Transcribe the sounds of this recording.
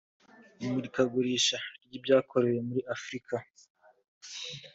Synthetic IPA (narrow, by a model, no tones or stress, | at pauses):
muɾikaɡuɾiːʃaɾɟibɟaːkʰo̞ɾe̞we̞muɾiʔafɾikʰa